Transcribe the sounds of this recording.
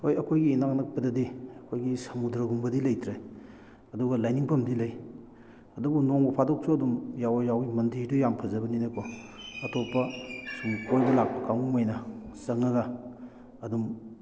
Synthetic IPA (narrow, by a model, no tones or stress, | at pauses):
hojɐkʰojɡiːnaknɐk̚pɐdɐdiɐkʰojɡisɐmudɾɐɡumbɐdilɐjtʰɾej | ɐduɡɐlajniŋpʰɐmdilɐj | ɐdubunoŋbɐpʰadok̚sʰuɐdumjawɐjawimɐndiɾdujampʰɐzɐbɐninɐkʰɔɐtʰopːɐsumkʰojbɐlak̚pɐkaŋumajnɐsɐŋɐɡɐː | dum